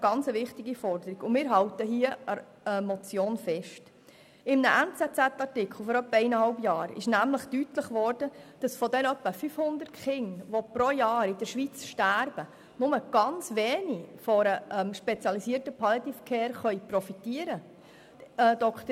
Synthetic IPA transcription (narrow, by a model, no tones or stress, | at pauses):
ɡ̥ɑnt͡səʋɪχtiɡifɔrdəɾiɡʊnmɪːɾɦɑwt̪əɦiəə | əmɔt͡sjoːnfɛʃt | ɪmnəʔɛnt͡sɛt͡sæt̪ːɑrtɪkχl̩ˠfɔɾœpːəɛɪnəhɑlbjɑːɾɪ̰ʃnæmləχtytləχʋɔrd̥əd̥ɑsfɔdɛnœpːəfyfhʊnd̪ərtχɪŋʋopɾojɑːɾɪd̥əɾʃʋit͡sʃtæɾb̥ə | nʊməɡ̥ɑnt͡sʋeːnifɔɾəʔɛmʃpɛt͡sjɑlisiːərtəpʰɑlɑt̪ifəkʰeːɾχœʏprɔfit̪iəɾə | d̪ɔkt̪ə